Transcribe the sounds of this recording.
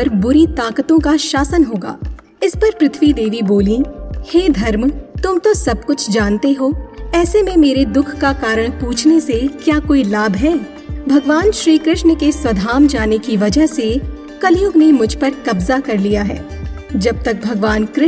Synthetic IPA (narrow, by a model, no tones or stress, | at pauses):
ɐɾbʊɾit̪aːkət̪õkaʃaːsənɦoːɡa̰ː | ɪspɐɾpɾɪt̪ʰʋid̪eːʋiboːlĩheːd̪ʱɐɾmt̪ʊmt̪osɐb̚kʊt͡ʃʰd͡ʒaːnt̪eɦoːɛːsemẽmeːɾed̪ʊkʰkakaːɾəɽ̃puːt͡ʃʰnesekjaːkoːilaːbʱɦɛː | bʱɐɡʋaːnʃɾiːkɾɪʃnkeswɐd̪ʱaːmd͡ʒaːnekiʋɐd͡ʒəɦse | kɐljʊɡnemʊd͡ʒʱpɐɾkɐbzakɐɾlijaɦɛ̰ːd͡ʒɐb̚t̪ɐk̚bʱɐɡʋaːnkɾɪ